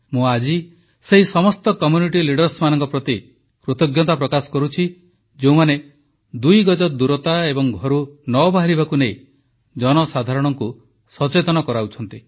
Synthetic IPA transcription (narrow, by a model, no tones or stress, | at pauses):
mũad͡ʒi | seɦisɔmɔst̪ɔkɔmjuniʈiliɽɔɾsmanɔŋkɔpɾɔt̪i | pɾot̪ɔɡjɔt̪apɾɔkasɔ̥kɔɾut͡ʃʰi | d͡ʒeũmane | d̪ujɡɔd͡ʒɔd̪uɾɔt̪aebɔŋɡʱɔɾunɔbaɦaɾibakunei | d͡ʒɔnɔsad̪ʱaɾɔɽ̃ɔŋku | sɔt͡ʃet̪ɔnɔkɔɾaut͡ʃʰɔnt̪i